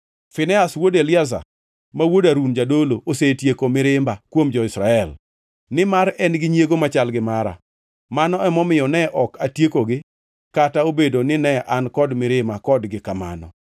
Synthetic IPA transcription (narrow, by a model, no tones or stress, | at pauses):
fɪnɛaswodelɪaza̰ | mawodaɾund͡ʒadoloʔosetjekomɪɾɪmbakwomd͡ʒɔɪsɾaɛl | nɪmaɾɛnɡɪɲjeɡomat͡ʃalɡɪmaɾa̰ | manɔɛmɔmɪjɔnɛʔɔkatjekoɡɪ | kataobedonɪnɛʔankɔdmɪɾɪmakɔdɡɪkama̰nɔ̰